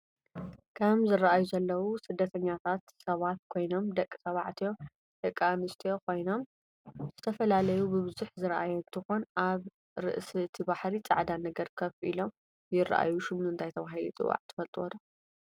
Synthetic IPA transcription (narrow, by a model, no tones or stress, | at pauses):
kʰɐmzɨrːɐʔajuzɐlːɐwusɨd̪ːɐt̪ʰɐɲːat̪ʰat̪sɐβat̪̚kʰo̞jno̞md̪ɐkʼːɨsɐβaʕt̪ʰijo̞ | d̪̥ɐkʼːamɨst̪ʰijo̞kʰo̞jno̞m | zz̥ɨt̪ʰɐfɐlalɐjubɨβɨzuħzɨɾʔajoɨnt̪ʰɨxonʔaβ | ɾɨ̰ʔsɨt̪ʰibaħɾit͡sʼa̰ʕd̪anɐɡɐɾkʰɐfʔḭlo̞m | jɪra̰ʔa̰juʃɪmuɨnt̪ʰajt̪ʰɐβaɦilut͡s̪ʼɨ̰wa̰ʕt̪ʰɨ̥fɐlt̪ʼɨwɐ̰d̪ɐ